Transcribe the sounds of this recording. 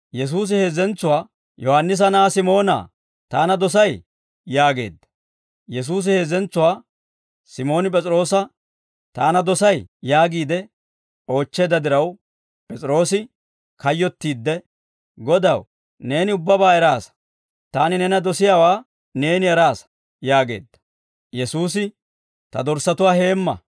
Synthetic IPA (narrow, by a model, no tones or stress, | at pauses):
jɛs̬uːs̬ɪhe̞ːzɛnt͡sːʊwaː | jɔhɐnːɪs̬ɐnaːsɪmo̞ːna̰ː | t̪aːnɐd̪ɔs̬ɐj | jaːɡe̞̰ːd̪ːɐ̥ | jɛs̬uːs̬ɪhe̞ːzɛnt͡sːʊwaː | sɪmo̞ːnɪp̬ʼɛt͡sʼɾo̞ːsɐ | t̪aːnɐd̪ɔsɐjjaːɡiːd̪ɛ | o̞ːt͡ʃːe̞ːd̪ɐd̪ɪɾɐw | pʼɛt͡sʼɪɾo̞ːsɪ | kɐjːɔt̪ːiːd̪ːɛ | ɡɔd̪ɐw | ne̞ːnɪʊbːɐbaːɛɾaːs | t̪aːnɪnɛnɐd̪ɔsɪjaːwaː | ne̞ːnɪɛɾaːs | jaːɡe̞̰ːd̪ːɐ̥ | jɛsuːs̬ɪ | t̪ɐd̪ɔɾsɐt̪ʊwaːhe̞ːmːɐ̰